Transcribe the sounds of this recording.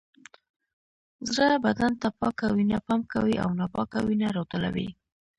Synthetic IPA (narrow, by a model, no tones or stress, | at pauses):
zɾabad̪ant̪apɑkawinapɑmkawiʔa̰wnapɑkawinaɾot̪əla̰wḭ